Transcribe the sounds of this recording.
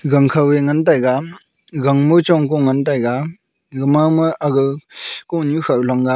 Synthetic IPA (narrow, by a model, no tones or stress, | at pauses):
ɡaŋkʰaweŋantajɡa | ɡaŋmɯt͡ʃɔŋkɔŋantajɡa | ɡɯmamɯʔaɡɯkɔnukʰawlaŋɡa